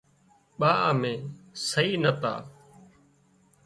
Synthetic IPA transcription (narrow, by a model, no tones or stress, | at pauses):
ɓaːʔəmẽːsəiːnət̪a̰ː